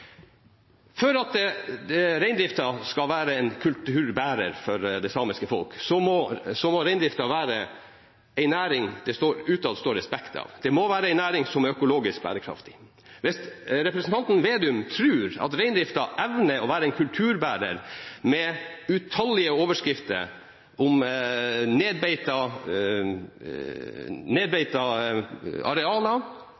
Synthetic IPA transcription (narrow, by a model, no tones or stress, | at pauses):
fœɾɑt̪ | ɾæɪnd̪ɾɪft̪ɑskɑlʋæːɾəɛɪnkʰʉlt̪ʉːɾbæːɾəɾfɔɾd̪ɛɪsɑːmɪskəfɔ̰lksɔmɔsɔmɔɾæɪnd̪ɾɪft̪ɑʋæːɾə | æɪnæːɾɪŋd̪̥ɛst̪oːɾʉːt̪ɑd̪st̪oːɾɛspɛkt̪ʰɑ̰ːʋd̪̥ɛmoʋæːɾəæɪnæːɾɪŋsɔmæɾœkʊloːɡɪsk̚bæ̰ːɾəkʰɾɑ̰ft̪ɪ̥ | ʋɪst̪ɾɛpɾɛsn̩t̪ɑnt̪n̩ʋeːd̪ʉmt̪ʰɾʉːɾɑ̰t̪ɾæɪnd̪ɾɪft̪ɑʔɛʋnəɔʋæːɾəæɪnkʰʉlt̪ʰʉːɾbæːɾə̰ɾmɛʉt̪ʰɑlːɪəoːʋəʂkɾɪft̪ə̰ɾ | ʊm | neːd̪̚bɛɪt̪ɑ | neːd̪bɛɪt̪ɑ | ɑ̰ɾɛɑːlɑ